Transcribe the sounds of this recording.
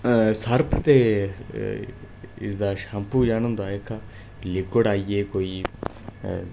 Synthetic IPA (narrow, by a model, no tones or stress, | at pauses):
səɾpʰt̪eː | ɪ̰sd̪aːʃaːmpuːjaːñʊ̃nd̪aːekʰa | lɪkəɽaːieːkoːiː